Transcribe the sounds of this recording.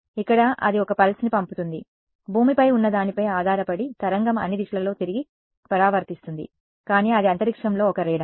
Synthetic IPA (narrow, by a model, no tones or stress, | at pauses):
ikːɐɽɐʔɐ̰d̪iɔkɐpɐlsnipɐmput̪und̪i | bʱuːmipɐjunːɐd̪aːnipɐjaːd̪ʱaːɾɐpɐɽit̪ɐɾɐŋɡɐmɐ̰nːid̪iʃɐlɐlo̞ːt̪iɾiɡi | pɐɾaːʋɐɾt̪ist̪und̪ḭ | kaːniːɐd̪iɐnt̪ɐɾikʂɐmlo̞ːɔkɐɾeːɖɐ